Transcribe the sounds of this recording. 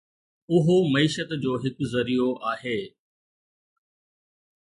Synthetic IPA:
ʊɦomɐiːʃət̪d͡ʑoːɦɪkzɐɾijoʔaːɦeː

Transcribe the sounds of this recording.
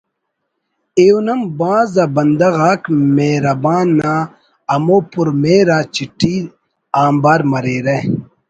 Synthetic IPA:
eunɐmbãːzɐbɐnd̪ɐɣaːkmeːɾɐbaːnːaː | ɐmoːpuɾmeːɾaːt͡ɕiʈiː | aːmbaːɾmɐɾeːɾe

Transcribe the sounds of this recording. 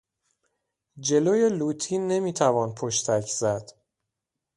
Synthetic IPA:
d͡ʒe̞loːje̞luːt̪ʰiːnːe̞miːt̪ʰævɒːnpʰoʃt̪ʰæcʰz̥æd̪̥

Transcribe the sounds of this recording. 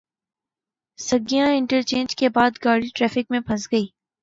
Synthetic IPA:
sɐɡijãɪ̃ɳʈəɾt͡ʃẽːnd͡ʒkebaːd̪ɡaːɽiʈɾɛːfɪk̚mẽbʱɐ̃sɡɐiː

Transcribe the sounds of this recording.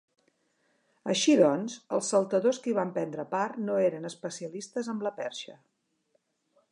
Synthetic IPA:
əʃiðɔnzəlˠsːəlˠt̪əðoskiβ̞ampɛnd̪ɾəparnoeɾənəspəsiəlist̪əzəmləpɛɾʃə

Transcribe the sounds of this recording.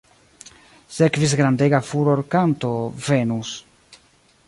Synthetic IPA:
se̞kvis̬ɡɾandeɡafuɾo̞ɾkanto̞ve̞nus

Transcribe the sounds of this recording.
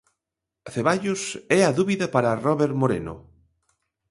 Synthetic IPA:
θeβaʎʊsɛɐðuβiðapaɾarɔβeɾmoɾḛnʊ̰

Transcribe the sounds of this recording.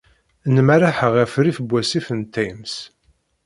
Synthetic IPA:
nmæɾaħəʁæfɾifəbʷːæsifənt̪ːæjms

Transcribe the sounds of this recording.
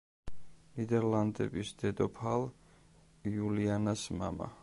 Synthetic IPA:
nid̪ɛɾland̪ɛ̰bisd̪̥ɛd̪ɔpʰalˠ | ulianasma̰ma̰

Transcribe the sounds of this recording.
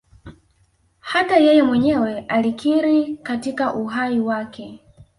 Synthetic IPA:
hatajɛjɛmwɛɲɛwɛʔalikʰiɾikatikaʔuɦaiwakɛ

